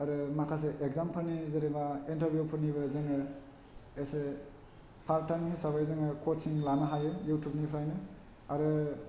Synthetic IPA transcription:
aɾɯmakʰas̬eʔekzampʰɯlnizeɾibaintɐɾbjupʰɯniβɐzaŋɯ | ese | pʰaɾ̚taŋnisaβajzaŋɯkʰotsiŋlanaɦajɯjutʰjup̚nipʰɾajnɯ | aɾɯ

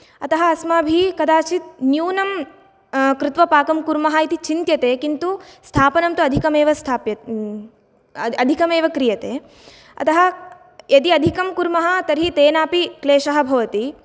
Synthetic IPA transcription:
ɐt̪ɐɦɐ̆ɐsmaːbʱikɐd̪aːt͡ʃit̪̚njuːnɐm | kɾɪt̪ʋɐpaːkɐmkuɾmɐɦɐit̪it͡ʃint̪jɐt̪eːkint̪ust̪ʰaːpɐnɐmt̪uɐd̪ʱikɐmeːʋɐst̪ʰaːpjɐ | ɐd̪ʱikɐmeːʋɐkɾijɐt̪eː | ɐ̰t̪ɐɦɐ̆ | jɐt̪iɐd̪ʱikɐmkuɾmɐɦɐ̆t̪ɐɾɦit̪eːnaːpikleːʃɐɦɐ̆bʱɐʋɐt̪i

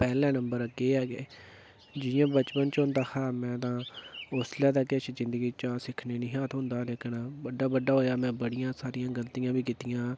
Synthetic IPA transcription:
pɛːlɛ̃ːnəmbəɾəɡeːɛːɡeː | d͡ʒɪjãːbət͡ʃpənt͡ʃɦʊ̃nd̪aːkʰaːmɛ̃ːt̪ãːʊslɛːd̪aːket͡ʃzɪ̃nd̪əɡiːt͡ʃaːsɪkʰneːnĩːɦãːt̪ɦʊ̃nd̪aːleːknaːbəɖːaːbəɖːaːɦoːjaːmɛ̃ːbəɽɪjãːsaːɾɪjãːɡəlt̪ijãːbiːkɪt̪ɪjãː

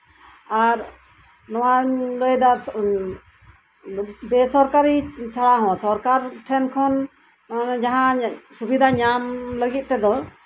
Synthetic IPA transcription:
aɾ | nɔwaləjd̪aɾ | bɛsɔɾkaɾit͡ʃʰaɽaɦɔ̃sɔɾkaɾʈʰɛnkʰɔn | d͡ʒaɦãsubid̪ʱaɲamləɡit̪̚ˀt̪ɛd̪ɔ

